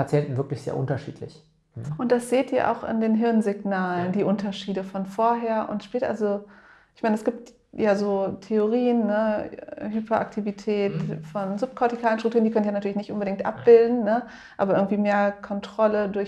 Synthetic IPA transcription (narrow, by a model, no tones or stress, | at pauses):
pat͡sjɛntn̩vɪɐklɪçz̥ḛːɐʔʊ̰ntɐʃḭːtʰlɪ̰ç | ʔʊntd̥asz̥eːtʔḭːɐʔa̰ʊxɪ̰ndeːnɦɪɐnzɪɡnaːləndiːʔʊntɐʃiːdəfɔnfoːɐɦeːɐʔʊ̰ntʃpɛːltʔa̰lzo | ʔɪçmaɪnəɛsɡ̥iːp̚t | jaːzoːtʰeoʁiːənːəɦypʰɐʔa̰k̚tʰivitʰɛːtfɔnzʊp̚kʰɔɐtikʰaːlənʃtʁ̥ʊktuːəndikœntjanatʰyːlçnɪçtʔʊnbədɪŋktʔa̰p̚b̥ɪldn̩nə | ʔaːbɐɪ̰ɡŋ̩tv̥iːmeːɐkʰɔntʁ̥ɔlədʊɐ